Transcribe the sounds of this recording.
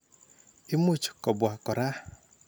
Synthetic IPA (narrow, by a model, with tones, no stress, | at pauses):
i˦mu˦˨t͡ʃkɔ˨bwa˨kɔ˨ɾa˦